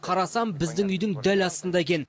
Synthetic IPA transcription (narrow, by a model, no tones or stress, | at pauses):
qʰɑɾɑsɑmbɪzd̪ɪŋʏjd̪ɪŋd̪ælɑst̪ənd̪ɑekʲe̞n